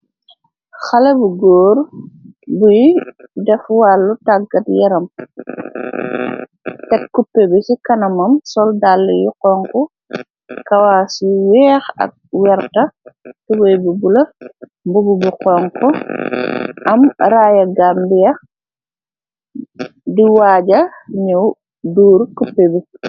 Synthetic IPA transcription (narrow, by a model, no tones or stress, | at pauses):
xɐlɛbuɡɔːr | bujidɛfwalːutaɡɐtjɐɾɐm | tɛt̚kupːɛbisikɐnɐmɐmsɔldalːɛjuqɔŋkɔ | kɐwaːsiwɛːxɐ̰k̚wɛɾtɐtɛwɔjbibulɐ | mbububuqɔːŋkɔ | ʔɐmɾaːjɐɡambijɐ | diwaːɟɐɲɔw | duːɾkupːebi